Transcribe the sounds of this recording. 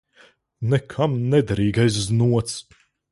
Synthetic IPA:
nɛkʰamnɛd̪aɾiːɡajs̬znuɔt̪s

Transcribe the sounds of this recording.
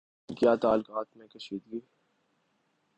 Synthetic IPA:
kjaːt̪aːlkaːt̪mẽkɐʃiːd̪ɡi

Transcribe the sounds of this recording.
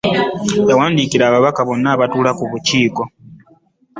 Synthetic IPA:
jawaːndikiɾaːβaβakaβo̞nːaːβatuːlakuβuciːko̞

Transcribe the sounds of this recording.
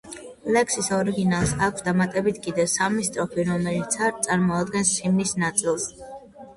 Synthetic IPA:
lɛksisɔɾiɡinalˠsakʷʰsd̪amat̪ʼɛbit̪ʰkʼid̪ɛsamist̪ʼɾɔpʰiɾɔmɛlit̪sʰaɾt̪t̪sʼaɾmɔad̪ɡɛnssimnisnat̪sʼilˠs

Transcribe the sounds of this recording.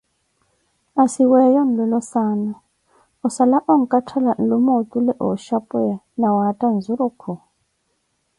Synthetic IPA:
asiwɛjɔn̩lɛlɔsaːna | ɔsalaʔɔŋ̩kʼatʰalan̩lumot̪ʼulɛʔɔʃapʼuja | nawatʼand͡zuɾukʰu

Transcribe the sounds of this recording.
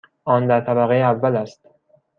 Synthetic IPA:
ʔɒːnd̪æɾt̪ʰæβæɣejeævːælæst̪

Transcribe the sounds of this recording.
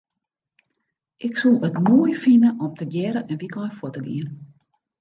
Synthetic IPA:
ʔɪksulˠətmuəjfinəʔɔmtəɡjɛɾəɛnʋikʰɔfotəɡḭən

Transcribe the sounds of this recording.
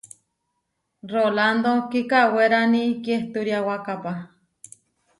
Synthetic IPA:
roland̪okikaweɾanikjeht̪uɾjawakapa

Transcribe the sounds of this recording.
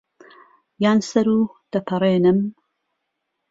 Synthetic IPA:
jaːnsɐɾuːd̪̥ɐpʰɨɾˤeːnɨm

